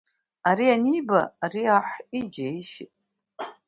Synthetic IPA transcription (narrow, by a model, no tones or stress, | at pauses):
aɾianiba̰ːɾiaħid͡ʒaiʃḭtʼ